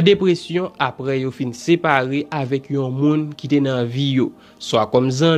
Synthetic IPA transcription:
depɣesjɔ̃ʔapɣɛjofinsepaɣeʔavɛkjɔ̃mũnkitenãvijo | swakɔmzã

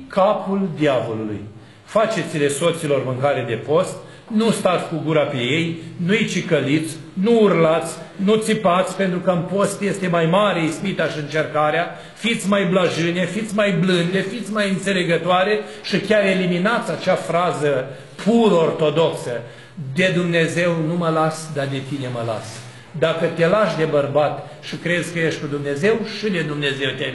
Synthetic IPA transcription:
kʰapuld̪iavo̞lulṵj | fat͡ʃe̞t̪sileso̞t̪silo̞rmɨŋkaɾed̪e̞po̞st̪ | nust̪at̪sʲkuɡuɾape̞je̞jnuijt͡ʃikəlit̪sʲ | nuurlat̪sʲnut̪sipat̪sʲpent̪ɾukəɨnpo̞st̪je̞st̪e̞majmaɾe̞ispit̪aʃiɨnt͡ʃe̞rkaɾea | fit̪sʲmajblaʒɨne̞fit̪sʲmajblɨnd̪efit̪sʲmajɨnt̪se̞le̞ɡət̪oaɾe | ʃikʲaɾe̞liminat̪sʲat͡ʃafɾazə | pʰuɾəort̪o̞d̪o̞ksə | d̪e̞d̪umne̞ze̞wnuməlasd̪ad̪e̞t̪ine̞məla̰s | d̪akət̪e̞laʃd̪e̞bərbat̪ | ʃikɾe̞zʲkəjeʃt̪ʲkud̪umne̞ze̞wʃid̪e̞d̪umne̞ze̞wt̪e

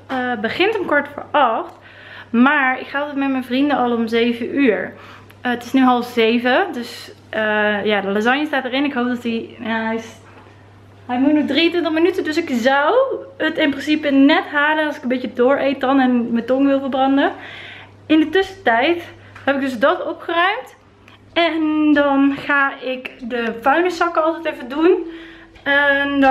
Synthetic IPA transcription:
əbəχɪntəmkɔɹtfə̰ɹʔɑχt | maːɹɪ̰kχalˠtɛtmɛtmɛnvrindənɑlˠomzejvəʔyːɹ | ətɪsnyɦɑlˠfz̥ejvədøs | əjaːdəlazɑɲjəstaːtərɪnɪkɦowp̚dɑtiaɛjs | ɦɛjmutnɔχdriəntʋɪntəχmənytəndøsɪkzʌwətɪnprɪnsipənɛtɦaːlənɑsɪkənmbet͡ʃədʊːɹejt̚dɑnɛnmətɔŋʋɪlˠvəɹbrɑndə | ɪndətɵsətɛjt | hɛpɪɡ̚dɵsdɑtɔpχərœɥmt | ɛndɑnχaːɪkdəfœɥnəsɑkɑlˠtɛjtɛfədun | ɛn

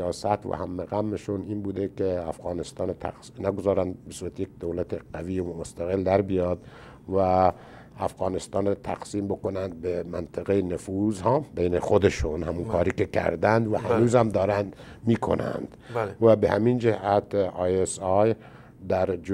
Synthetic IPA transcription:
ɑːsæt̪væ̰hæ̰mːeɣæmːeʃuniːnbuːd̪ekeæfɣɑːnest̪ɑːnt̪ʰæ̰qsnæɡozɒːɾænd̪̚besuːɾæt̪ejek̚d̪owlæt̪ʰeqæviːmost̪æɣeld̪æɾbijɒːd̪ | væː | fɣɑːnest̪ɑːnɾt̪ʰæ̰qsiːmbokonænd̪̚bemænt̪ʰeɣejenefuzhɑːmbejnexod̪eʃunhæmunkʰɒːɾiːkekʰæ̰ɾd̪ænd̪væhænuːzhæmd̪ɒːɾænd̪miːkʰo̰næ̰nd̪̥væbehæ̰mind͡ʒehæt̪ɑjesɑj | d̪æɾd͡ʒ

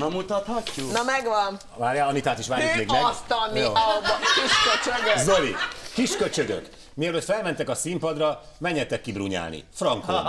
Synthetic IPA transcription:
nɛmːut̪ɒt̪hɒcːunɒmɛɡʋɒn | ʋaːrjaːɒnit̪aːt̪iʃʋaːɾikmeːɡmɛɡst̪ɒnːjobkiʃkøt͡ʃøɡøzølikiʃkøt͡ʃø̞ɡø̰k | miɛløːt̪fɛlmɛnt̪ɛkɒsimpɒd̪rɒmɛɲːɛt̪ɛkːibruɲa̰ːlnḭfrɒŋko̰n

